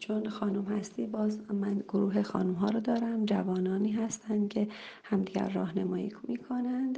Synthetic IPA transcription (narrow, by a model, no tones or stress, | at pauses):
t͡ʃʰonxɒːnumhæst̪iːbɒːzmænɡoɾuːɦexɒ̰ːnumɦɒːɾod̪ɒːɾæmd͡ʒævɒːnɒːniːɦæst̪ʰænd̪̥cʰe̞hæmd̪iːɡæ̰ɾːɒ̰ːhnemɒːjḭːkʰmiːkʰo̞nænd̪